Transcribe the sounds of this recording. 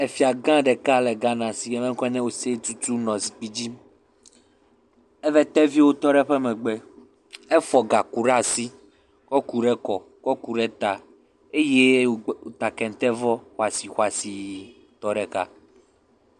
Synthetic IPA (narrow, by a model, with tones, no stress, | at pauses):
e˨fi˨a˨ɡã˦ɖɛ˨ka˦lɛ˨ɡã˦nã˨si˨ɡɛ˨˦mɛ˦ŋ˦kɔ˦nɛ̃˦wo˨se˦t̪u˦t̪u˦nɔ̃˨si˨k͡pi˦d͡ʑi˦m | ɛ˦vɛ˦t̪ɛ˦vi˦wo˦t̪ɔ˦ɖɛ˦ɸɛ˦mɛ̃˨ɡ͡bɛ˦ | ɛ˦fɔ˨ɡa˨ku˨ɾa˦˨si˦ | kɔ˦ku˨ɖɛ˦kɔ˨ | kɔ˦ku˨ɖɛ˦t̪a˨ | e˦je˦˨o˨t̪a˨kɛ̃˨n˨t̪ɛ˦vɔ˦xwa˨si˨xwa˨si˨ | t̪ɔ˦ɖɛ˨ka̰˦